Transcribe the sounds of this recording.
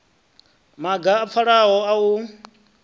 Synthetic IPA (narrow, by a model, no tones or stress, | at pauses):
maɡaːp̪fʰaɺaɦɔau